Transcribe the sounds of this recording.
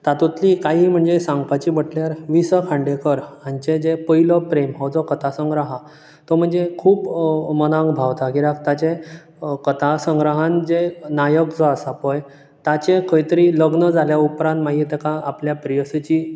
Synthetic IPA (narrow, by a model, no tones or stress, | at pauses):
t̪at̪ut̪likaɦim̤əɳd͡zesãŋɡpat͡ɕibəʈljaɾʋisəkʰãɳɖekəɾant͡ɕed͡zepəɦilɔpɾemɦɔwd͡zɔkət̪ʰasəŋɡɾaɦa | t̪ɔm̤əɳd͡zekʰuːpmənãŋɡbʱawt̪aɡiɾak̚t̪at͡ɕe | kət̪ʰasəŋɡɾaɦand͡zenajəkd͡zɔasapɔj | t̪at͡ɕekəjt̪əɾiləɡnəd͡zʱaljaupɾãnt̪maɦit̪ekaapljapɾijəset͡ɕi